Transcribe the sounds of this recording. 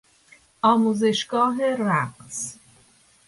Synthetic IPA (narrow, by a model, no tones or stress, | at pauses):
ʔɒːmuːze̞ʃɡɒːɦeræqs